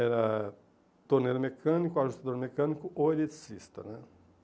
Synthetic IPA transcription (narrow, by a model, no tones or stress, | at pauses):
eɾa | t̪oɾneɾmekʰanikuaʒust̪ad̪oɾmekanikuʔoed̪it̪sist̪ənə